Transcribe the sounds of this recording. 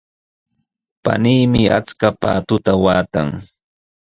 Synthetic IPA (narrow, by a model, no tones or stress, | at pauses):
pa̰niːmɪa̰t͡skapaːt̪ʊt̪awaːt̪a̰ŋ